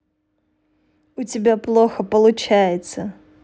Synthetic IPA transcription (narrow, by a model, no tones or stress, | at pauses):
ʊtʲɪbʲaplˠoxəpəlˠʊt͡ɕajɪt̪sə